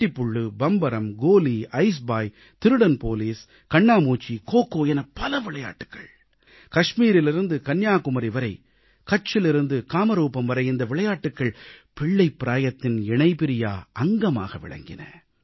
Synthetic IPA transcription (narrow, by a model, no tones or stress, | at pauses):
ʈːipːʊɭːɯbɐmbɐɾɐmɡoːliɐɪs̬baːj | t̪ɪɾɯɽɐnpoːliːs | kɐɳːaːmuːt͡ʃːikoːkːoːjɛnɐpɐlɐʋɪɭɐja̰ːʈːɯ̥kːɐ̰ɭ | kɐʂmiːɾɪlɪɾɯnd̪ɯkɐnjaːkʊmɐɾiʋɐɾɐɪ | kɐt͡ʃːɪlɪɾɯnd̪ɯkaːmɐɾuːpɐmʋɐɾɐɪɪnd̪ɐʋɪɭɐjaːʈːɯkːɐɭpɪɭːɐɪpːɪɾaːjɐt̪ːɪnɛɳɐɪpɪɾɪja̰ːɐŋɡɐma̰ːɣɐʋɪ̰ɭɐ̰ŋɡɪ̰nɐ̰